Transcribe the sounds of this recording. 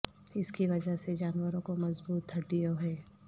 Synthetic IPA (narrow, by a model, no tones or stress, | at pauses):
ɪskiʋɐd͡ʒəɦsed͡ʒaːnwəɾõkomɐzbuːt̪ʰːɐʈːijoɦɛː